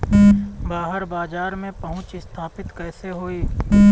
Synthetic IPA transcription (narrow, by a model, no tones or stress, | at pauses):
baːɦəɾbaːd͡ʒaːɾmẽpɐɦʊ̃t͡ʃɪst̪ʰaːpɪt̪kɛːseɦoːiː